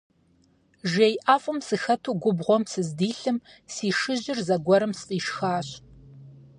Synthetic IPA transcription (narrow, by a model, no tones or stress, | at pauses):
ʒejʔaːfʼɨmsɨxɐtʰuːɡʷʊbʁʷɔmsɨzdiːɬɨm | siːʂɨʑɪrzɐɡʷɔɾɨmsqʼiːʃxaːɕʼ